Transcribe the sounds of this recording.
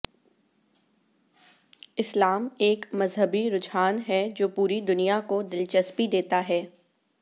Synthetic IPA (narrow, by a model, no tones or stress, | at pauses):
ɪslaːmeːkmɐzɦəbiɾʊd͡ʒɦaːnɦɛd͡ʒoːpuːɾid̪ʊnijakod̪ɪlt͡ʃəspid̪eːt̪aɦɛː